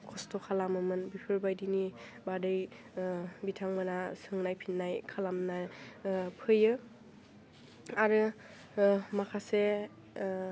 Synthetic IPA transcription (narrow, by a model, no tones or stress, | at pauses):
kʰɔstɔkʰalamɯmɯnbipʰɯɾbajdini | badɯj | bitʰaŋmanasɯŋnajpʰinːajkʰalamna | pʰɯjɯ | aɾɯ | makʰase